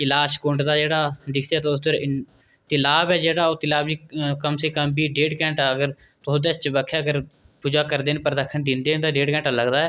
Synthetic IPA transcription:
ɪlaːʃkõːɳʈd̪aːd͡ʒeːɽaːd̪ɪkʰd̪eːt̪ːʊs̬d̪əɾɪ | t̪ɪlaːbɛːd͡ʒeːɽaːoːt̪ɪlaːbd͡ʒiːkəmseːkəmbiːɖeːɖkɛ̃ːɳʈaːəɡəɾ | t̪ʊsd̪eːt͡ʃt͡ʃəbəkʰjaːəɡəɾ | puːd͡ʒaːkəɾd̪eːnpəɾd̪əkʰːəɳd̪ɪ̃nd̪eːnt̪ãːɖeːɖkɛ̃ːɳʈaːləɡd̪aːɛː

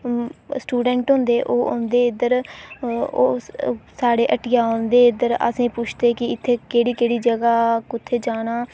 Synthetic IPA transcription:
sʈuːɖɛ̃ːɳʈɦʊ̃ːnd̪eːʔoːʊ̰nd̪eːɪd̪əɾ | oːsaːɽeːʔəʈɪjaːõnd̪eːɪd̪əɾə̰sĩːpʊt͡ʃʰt̪eːkɪɪt̪ʰːeːkeːɽiːkeːɽiːd͡ʒəɡaːkʊt̪ʰːeːd͡ʒaːnaː

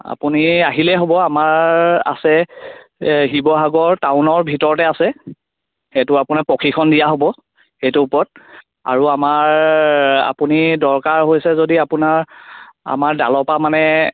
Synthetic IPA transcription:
a̰puniaɦilɛɦobɔamaɹa̰sɛ | ɦibɔɦaɡɔɹtawnɔɹbʱitɔɹɔtɛasɛ | xɛtʊapunapɔkʰikʰɔndijaɦobɔ | xejtʊupɔt̚ | a̰ɹuamaɹ | a̰punidɔɹkaɹɦojsɛzodiapʊnaɹa̰maɹda̰lɔpamanɛ

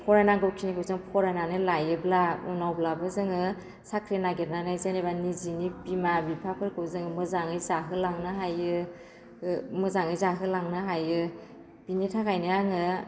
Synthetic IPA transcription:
pʰɔɾanaɡɯwkʰinikʰɯwzɯŋpʰɔɾananɯlajɯblaunawblabɯzɯŋɯ | sakʰɾinaɡet̚nanɯzenebanizinibimabipʰapʰɯɾkʰɯwzɯŋɯmɯzaŋɯjzaɦɯlaŋnɯɦajɯ | mɯzaŋɯjzaɦɯlaŋnɯɦajɯ | b̥initʰakʰajnɯaŋɯ

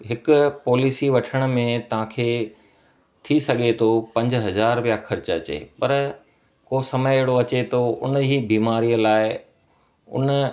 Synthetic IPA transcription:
ɦɪkʊ̆pɔːliːsiʋɐʈʰəɽ̃ʊ̆mẽt̪ɐʋ̤ãkʰeː | t̪ʰisɐɠʱet̪ʰopɐ̃ɲd͡ʑɦɐzaːɾʋijaxɐɾɪt͡ɕɐ̰t͡ɕḛːpɐɾ | koːsɐməjeɦɽoɐt͡ɕet̪ʰoʊ̰nɦiːbiːmaːɾijəlaːɪ | ʊ̰nə

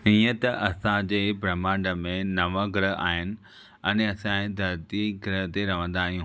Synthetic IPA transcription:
iːə̃t̪ɐʔɐsãd͡ʑeːbɾɐmãːɳɖəmẽnɐʋəɡɪɾəɦa̰ːɦɪnɪ̆ | ɛnɐsãẽd̪ɐɾt̪iɡɪɾəɦt̪eɾɐʋə̃nd̪aːɦijũ

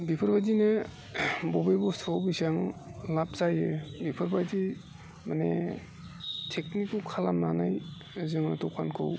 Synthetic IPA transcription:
bipʰɯɾbajzine | bɔbajbɔstʰɔwbisaŋlap̚zajebipʰɯɾbajzi | manḛ | tʰek̚nikukʰalamnana̰j | zɯŋnatɔkʰankʰɯ̰w

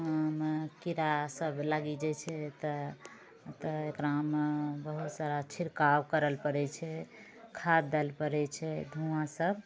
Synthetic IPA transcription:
ɦəmkiɾasəblaɡid͡ʒɛt͡ʃʰɛt̪ə | t̪əekɾamebəɦut̪saɾat͡ʃʰiɾkawkəɾəlpəɾɛt͡ʃʰɛ | kʰad̪ɛlpəɾɛt͡ʃʰɛd̪ʱuãsəbʱ

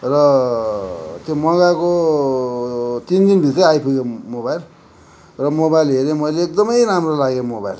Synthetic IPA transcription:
rʌ | t̪jomʌɡako | t̪ind̪inbʱiʌajpʰuɡemobajl | rʌmobajlɦeɾemʌjleːk̚d̪ʌmʌjramrolaɡemoba̰jl

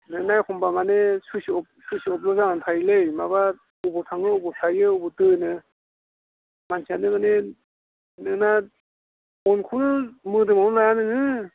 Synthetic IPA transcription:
nɯnajkʰɔmbamanesusɔp̚susiɔp̬̚lɔzaŋanpʰajlejmaβa | ubɔtʰaŋɯubɔtʰajɯubɔtɯnɯ | mansʰianɯɡɯne | nɯna | ɔnkʰunmɯdɯmawnlajanɯŋɯ

